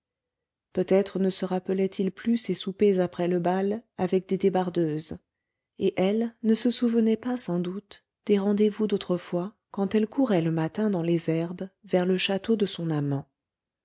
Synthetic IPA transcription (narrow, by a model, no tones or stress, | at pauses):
pøt̪ɛt̪χənəsəʁapəlɛt̪ʰilplysesupezapχɛləbalavɛk̚d̪ed̪ebaʁd̪øːz | eʔɛlnəsəsuvənɛpasɑ̃d̪ut̪ | d̪̥eʁɑ̃d̪evud̪ot̪χəfwa | kɑ̃t̪ɛlkʰuʁɛləmat̪ɛ̃d̪ɑ̃lezɛʁbvɛʁləʃat̪od̪əsɔ̃namɑ̃